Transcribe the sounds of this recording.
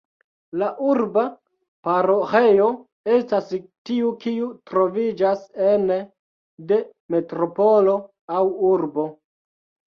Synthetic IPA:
laʔuɾba | paɾohe̞jo | e̞stastiukiutɾo̞vid͡ʒasen | de̞ | me̞tɾo̞po̞lo̞ | awuɾbo̞

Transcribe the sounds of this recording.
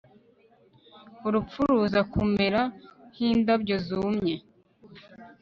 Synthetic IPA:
uɾup͡fuɾuzakume̞ɾahiːndabjɟo̞zumɲe

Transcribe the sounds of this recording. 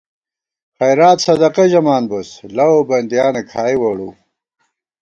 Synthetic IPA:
χɐjɾaːt̪sɐd̪ɐqeʑɐmaːnboslɐwobɐnd̪jaːnekʰaːiwɐɽṵ

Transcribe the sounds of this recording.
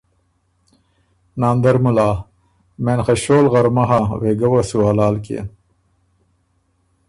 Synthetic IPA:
naːnd̪ɐɾmulaː | menxeɕoːlɣɐɾmɐɦaweːɡɐwasuaːlaːlkḛ

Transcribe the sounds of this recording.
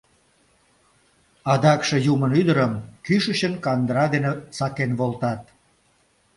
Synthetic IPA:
ɑd̪ɑkʃe̽jumənyd̪əɾəmkyʃəɕənkɑnd̪əɾɑd̪enesɑkenβolt̪ɑt̪̚

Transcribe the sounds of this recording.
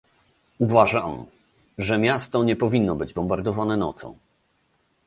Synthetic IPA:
uvaʐam | ʐɛmʲjast̪ɔɲɛpɔvʲinːɔbɘd͡ʑbɔmbaɾd̪ɔvanɛnɔ̰t̪sɔ̰̃w̃

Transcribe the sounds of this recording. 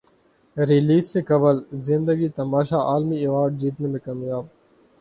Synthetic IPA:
ɾɪliːst̪eːkɐbəlzɪnd̪əɡiːt̪ɐmaːʃaːʔaːlmiːeʋaːɾɖ̚d͡ʑiːʈ̪mẽːmẽkamjaːb̚

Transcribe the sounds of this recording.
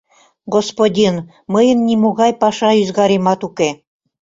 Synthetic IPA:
ɡospodʲin | məjənːʲimoɣɑjpɑʃɑyzɣɑɾemɑt̪uke

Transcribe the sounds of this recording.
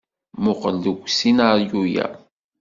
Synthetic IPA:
mʊqəlːəɡʷsinaɾjujæ̰

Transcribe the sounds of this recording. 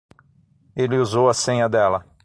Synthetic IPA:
elɪuzowɐsẽɲɐd̪ɛlɐ

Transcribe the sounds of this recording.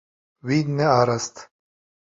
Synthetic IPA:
wiːd̪neaːɾɐst̪

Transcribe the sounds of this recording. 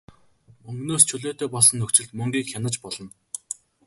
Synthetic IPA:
mɵŋɡnoːst͡ɕʰɵɮoːt̪eːpɔɮsɞ̆nːɵkt͡ɕɪ̆ɮt̪mɵŋɡʲiːkxʲanə̆t͡ɕpɔɮɞ̆n

